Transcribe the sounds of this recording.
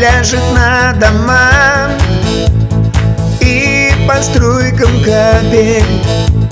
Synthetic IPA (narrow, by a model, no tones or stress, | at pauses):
lʲaʐɨt̪nəd̪ɐma | i | pɐst̪ɾojkəmkɐbʲenʲ